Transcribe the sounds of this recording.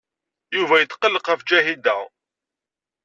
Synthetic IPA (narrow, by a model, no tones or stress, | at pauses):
juvæjət̪ːqːəlːəqːæfd͡ʒæɦid̪æ